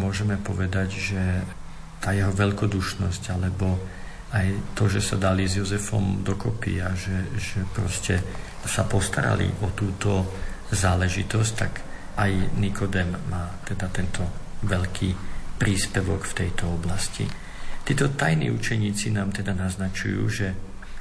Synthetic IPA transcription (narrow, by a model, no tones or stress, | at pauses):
mʊɔʒɛmɛpɔʋɛd̪aɟʒɛ | t̪aːjɛɦɔʋɛʎkɔd̪uʃnɔscalɛbɔ | ajt̪ɔʒɛsa̰d̪alizjɔzɛfɔ̰md̪ɔkɔpḭaʒɛʒɛpɾɔscɛ | sapɔst̪aɾa̰lḭʔɔt̪uːt̪ɔzaːlɛʒit̪ɔsct̪a̰ɡ | ajnikʰɔd̪ɛmːaːt̪ɛd̪at̪ɛnt̪ʰɔʋɛʎkʰipɾiːspɛʋɔkft̪ɛjt̪ɔɔblascḭ | t̪iːt̪ɔt̪ajnḭːut͡ʃɛɲiːt͡sinaːmt̪ɛd̪anaznat͡ʃṵjṵːʒɛ